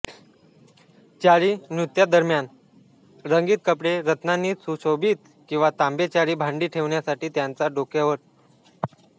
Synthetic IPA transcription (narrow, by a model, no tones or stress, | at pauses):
t͡ɕaɾiːnjut̪jad̪əɾmjan | ɾəŋɡiːt̪̚kəpɽeɾət̪nanːiːt͡susobʱiːt̪ | kĩw̃ʋat̪ambet͡ɕaɾiːbʱaɳɖiːʈʰeʋɳjasaʈiːt̪jant͡saɖokjaʋəɾ